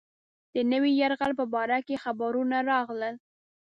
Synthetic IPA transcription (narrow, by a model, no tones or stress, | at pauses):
d̪̥ənəwijaɾɣalpəbɑɾakexabaɾunaɾɑɣləl